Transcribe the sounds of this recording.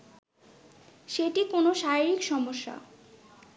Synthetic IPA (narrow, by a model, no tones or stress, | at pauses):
ʃeʈikonoʃaiɾikʃɔmoʃːa̰